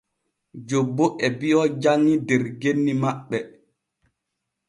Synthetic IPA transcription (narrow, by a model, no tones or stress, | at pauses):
d͡ʒobːoʔɛbiɔd͡ʒaŋːidɛɾɡenːimaɓːɛ